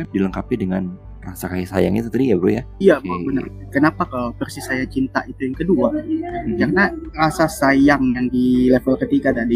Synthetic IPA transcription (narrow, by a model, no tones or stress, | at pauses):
kadiləŋkapidəŋan | rasakajisajaŋḭt̪ut̪adijabəɾujaijabaəna̰ | kənapakapərsisajaŋt͡ʃint̪a̰ʔit̪ujaŋkəduakarnarasasajaŋjaŋdilefəlkət̪iɡad̪adi